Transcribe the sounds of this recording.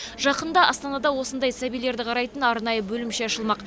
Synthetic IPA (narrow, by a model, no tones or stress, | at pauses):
ʒɑqənd̪ɑʔɑst̪ɑnɑd̪ɑwo̞sənd̪ɑjsæbijle̞ɾd̪ɪqʰɑɾɑjt̪ənɑɾnɑjəbɵlɪmʃe̞ɑʃəlˠmɑq